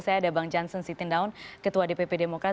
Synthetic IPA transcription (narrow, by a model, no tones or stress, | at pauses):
sajadabaŋd͡ʒansənsit̪indaunkət̪uadepepedemoka